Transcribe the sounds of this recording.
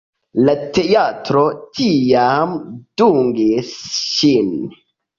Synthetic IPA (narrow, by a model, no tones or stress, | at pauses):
lateatɾotʰijamd̥uŋɡisʃin